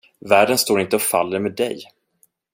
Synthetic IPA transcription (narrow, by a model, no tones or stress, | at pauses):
væːɖənst̪oːɾɪnt̪əɔfa̰lːəɾmeːd̪ɛj